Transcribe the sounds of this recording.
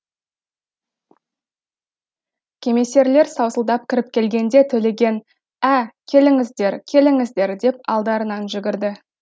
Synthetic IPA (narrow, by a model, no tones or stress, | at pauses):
kʲʰe̞me̞se̞ɾle̞ɾsɑwsəlˠd̪ɑp̚kʲʰɪɾɪp̚kʲʰe̞lɡʲe̞nd̪e̞t̪ʰɵle̞ɡʲe̞n | ækʲʰe̞lɪŋɪzd̪e̞ɾkʲʰe̞lɪŋɪzd̪e̞ɾd̪e̞p̚ɑ̰lˠd̪ɑɾənɑnʒʏɡʲɪɾd̪ɪ